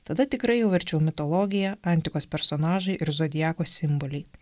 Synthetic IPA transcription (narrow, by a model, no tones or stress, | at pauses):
t̪ɐd̪ɐt̪ʲɪkɾɐɪjɛʊʋʲɛɾʲt͡ʃʲɛʊmʲɪt̪ɔlˠɔɡʲɪjɛɐˑnʲt̪ʲɪkoːspʲɛɾsɔnɑːʒɐɪʔɪɾzoːd̪ʲɪjæːkoːsʲɪmboːlʲɛɪ